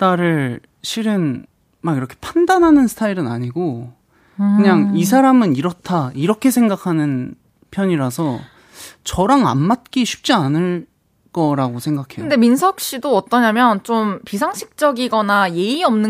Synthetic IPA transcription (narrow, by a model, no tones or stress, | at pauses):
t͈aɾɯɭ | ɕʰiɾɯn | maɡiɾʌkʰe̞̥pʰandanɦanɯnsʰɯ̥tʰaiɾɯnaɲiɡo | kɯɲaŋis̬ʰaɾamɯniɾʌtʰaiɾʌkʰe̞sʰeŋɡakʰanɯn | pʰjʌɲiɾasʰʌ | t͡ɕʌɾaŋa̰nmat̚k͈iɕʰi̥p̚t͡ɕ͈ianɯɭ | k͈ʌɾaɡosʰe̞ŋɡakʰekɯnde̞minsʰʌk̚ɕ͈idoʌt͈ʌɲamjʌnt͡ɕompisʰaŋɕʰi̥k̚t͡ɕ͈ʌɡiɡʌnaje̞iʌmnɯ